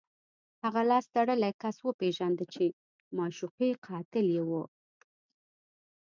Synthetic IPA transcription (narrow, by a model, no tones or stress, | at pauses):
haɣalɑsd̪aɽəlakaswəpeʒand̪ət͡ʃe | mɑʃuqeqʰɑt̪ɪljewu